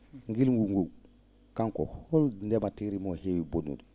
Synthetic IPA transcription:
ŋɡilŋɡuŋɡu | kaŋko̰hɔlndɛmatiɾimohewibonṵdu

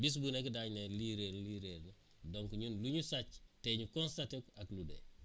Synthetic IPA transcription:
bis̬bunekidaɲneliɾelliɾelne | dɔŋkuɲunluɲusat͡ʃtɛɲukɔnstatikakludḛ

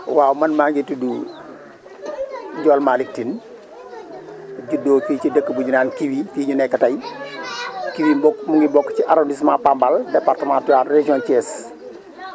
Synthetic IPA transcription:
wawmɐnmaŋɡitudu | ɟɔːlmalik̚tin | ɟudoːkiwt͡ʃidəkːəbuɲunaːnkiwifiɲunɛkːɐtɐj | kiwibɔkːmuŋɡibɔkːt͡ʃiʔaɾondismãpambaldepaɾtəmãtuatred͡ʒiɔnt͡ʃɛːs

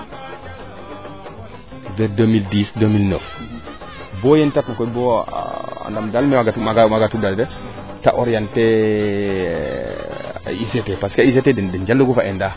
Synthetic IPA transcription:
vɛɾdomildisdomilno̰f | bɔjentatnakɔbɔ̰ | a̰ndamdalmɛwaɡamaɡmaɡatudaldɛ | ta̰ʔɔɾjantɛ | isetepaskais̬eteddind͡ʒalːuɡufaʔɛnda

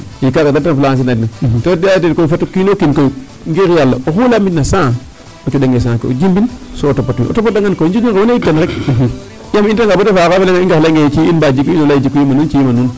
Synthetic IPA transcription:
jikakadatanfulaŋas̬inanitodatetkoifetːukinokinko | ŋɡekijalːaoxulamitnasã | okiɗeŋɡes̬ãko̰o̰d͡ʒimbinsoːtopatwḭo̰topːat̚daŋɡankond͡ʒiiŋkewoneitːanɾek̚ | jamintaŋɡabotefakafeleŋaiŋɡalŋɡeit͡ʃiinbad͡ʒikːuinolaid͡ʒikːuimanunt͡ʃijimanun

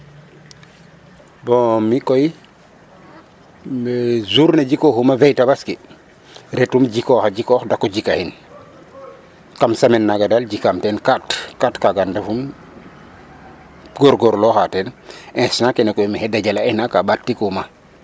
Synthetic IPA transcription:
bɔmikoji | mezuɾneɟikoxumavejtabaski | ɾetumɟikɔxaɟikɔxdakːɔɟikahin | kamsamenːaɡadalɟikamtɛnkatkatkaɡandefum | ɡoɾɡoɾlɔxatɛnɛ̃snakenekojmihɛdaɟalaɛhnakabattːikuma

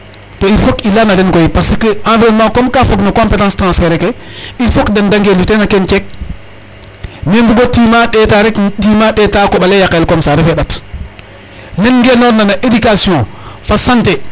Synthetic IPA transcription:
toifokilanadenkoipasikəãbenmakomkafoknakõmpetãːstɾãsfeɾeke | ifokdandaŋɡelutenakent͡ʃek̚ | nembuɡotimaɗetaɾektimaɗetaːkoɓalejakelkomsaɾefeɗat | nenɡenonːanaʔedikasiõfasãnte

